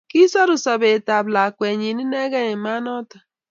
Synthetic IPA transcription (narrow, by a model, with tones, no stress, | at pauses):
ki˦sa˦ɾʊ˨sa˨be˨ta˨bla˨kʷe˨ɲi˨ni˦ne˦ɣɛ˦ɲe˨ma˦nɔ˦tḁ˨